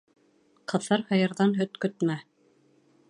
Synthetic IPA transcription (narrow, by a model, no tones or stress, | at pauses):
qʰɤ̆θɤɾhɤ̆jɤ̆ɾðɑnɦɵt̪kɵ̆t̪mæ